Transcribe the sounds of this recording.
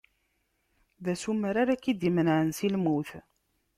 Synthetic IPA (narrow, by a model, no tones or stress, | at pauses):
ðæsuməɾaɾækːid̪imənʕənsilmuθ